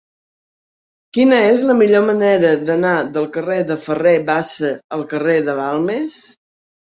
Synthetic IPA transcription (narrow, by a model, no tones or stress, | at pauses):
kinəezləmiʎoməneɾəðənaðəlˠkəreðəfəreβasəəlˠkəreðəβalˠmes